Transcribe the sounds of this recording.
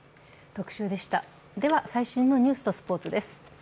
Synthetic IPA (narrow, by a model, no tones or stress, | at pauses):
t̪o̞kɯ̟̥ɕɨːd̪e̞ɕi̥t̪a | d̪e̞βasaiɕɨ̃ːnːo̞ɲ̟ɨ̟ːsɨ̥t̪o̞sɨ̥po̞ːt͡sɨd̪e̞sɨ̥